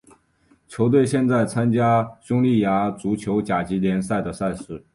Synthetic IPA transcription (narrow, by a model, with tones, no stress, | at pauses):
t͡ɕʰjo˧˥ʊt̪̬we˥˧ɪɕjɛ˥˧nt͡sa˥˩ɪt͡sʰa˥nt͡ɕja˥ɕʊ˥ŋli˥˩ja˧˥t͡su˧˥t͡ɕʰjo˧˥ʊt͡ɕja˨˩t͡ɕi˧˥ljɛ˧˥nsa˥˩ɪd̪ə˩sa˥˧ɪʂɻ̩˥˩